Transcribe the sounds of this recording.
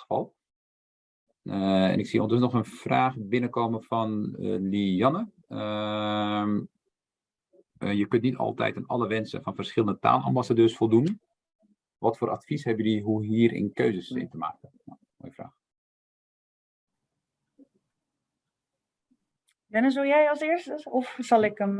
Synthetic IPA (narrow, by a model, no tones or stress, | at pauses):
əfɑ̰lˠ | ɛ̰nɪksio̰ntəsnɔxənfraːxbɪnəkoːmənfɔnlijɑnə | ə | jəkøntnitʰɔ̰lˠtɛ̰jtənɔ̰ləʋɛnsə̰fɔnfərsxɪlˠəndəta̰ːlɑ̰mbasadøːrsfɔlˠdun | ʋɔtfoːrʔatfishɛbjəliɦuɦiːərɪ̰nkøːzəsɪ̰ntəma̰ːkən | mo̰jəfra̰ːx | dɛnəzolˠjɛjɑsɪːstəɔfsɑlˠɪkəm